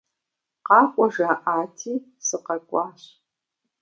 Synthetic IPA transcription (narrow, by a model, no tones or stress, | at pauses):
qɑːkʷʼɔʒaːʔaːtʰiː | sɨqɐkʷʼɑːɕ